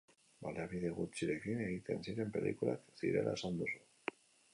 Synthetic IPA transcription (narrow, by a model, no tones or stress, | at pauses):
baleaβiðeɣut͡ʃiɾe̞kineɣit̪e̞̰nsiɾe̞mpe̞lʔḭkula̰ksḭɾe̞̰la̰esand̪usu